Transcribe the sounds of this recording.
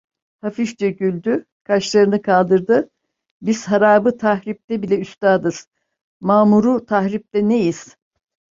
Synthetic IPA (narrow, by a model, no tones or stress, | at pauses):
hafiʃd͡ʒeɟylʲd̪y | kʰaʃlˠaɾɯnɯkʰalˠd̪ɯɾd̪ɯ | biz̥ɦaɾaːbɯt̪ʰahɾip̚t̪ɛbilʲɛyst̪aːd̪ɯz̥ | maːmuɾut̪ʰaɦɾip̚t̪ɛnejiz̥